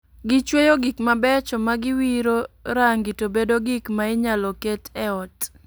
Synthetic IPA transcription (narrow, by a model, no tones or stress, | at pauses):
ɡɪt͡ʃwejoɡikmabɛt͡ʃɔmaɡɪwiɾoɾaŋɡitobedoɡɪkmaɪɲalɔketʰɛɔt